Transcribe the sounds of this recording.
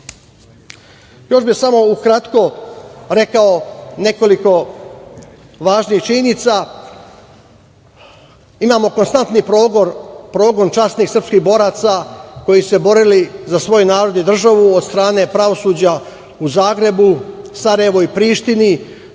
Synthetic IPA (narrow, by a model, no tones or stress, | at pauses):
jo̞ʃbisamo̞ukɾat̪ko̞ɾe̞kaone̞ko̞liko̞ | ʋaːʒniːxt͡ʃienit̪sa | imaːmo̞ko̞nst̪ant̪nipɾoɡoɾpɾo̞ːɡo̞nt͡ʃasniːxsr̩pskixbo̞ɾat̪sako̞jise̞bo̞ɾilizasʋo̞junaːɾo̞d̪nid̪r̩ʒaʋuod̪st̪ɾaːne̞pɾaʋo̞suːd͡ʑa | uzaːɡɾe̞busaɾajeʋoipɾiːʃt̪ini